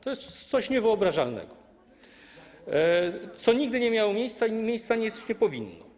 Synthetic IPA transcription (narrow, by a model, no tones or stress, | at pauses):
t̪ɔjɛst̪sɔɕɲɛvɘɔbɾaʐalnɛ̰ɡɔ | t̪sɔɲiɡ̚d̪ɘɲɛmʲjawɔmʲjejst̪saimʲjejst̪saɲɛsɲɛpɔvʲinːɔ̰